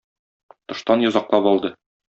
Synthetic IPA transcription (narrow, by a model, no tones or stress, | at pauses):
t̪ŏʃt̪ɑnjɒ̆zɑqlˠɑpɒlˠd̪ɤ